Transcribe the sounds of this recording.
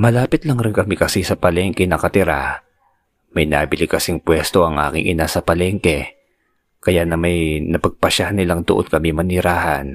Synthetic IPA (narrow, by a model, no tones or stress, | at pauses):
mɐlaːpɪt̪lɐŋɾɪnkɐmikɐsisɐpɐlɛŋkɛnɐkɐt̪ɪɾa̰ | mɐjna̰bɪlɪkɐsiŋpwɛst̪o̞ʔɐŋʔa̰ːkɪ̰ŋʔɪ̰nasɐpɐlɛŋkɛ | kɐjaʔnɐmɐjnɐpɐɡ̚pɐʃahnɪlaŋd̪oʔonkɐmimɐnɪɾaːhɐ̰n